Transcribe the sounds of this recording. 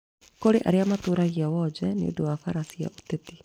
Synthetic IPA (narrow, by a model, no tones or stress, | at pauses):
koɾeʔa̰ɾeamatoːɾaɣiawɔd͡ʒɛnḛo̰dowafaɾasia̰ʔotɛt̪i̥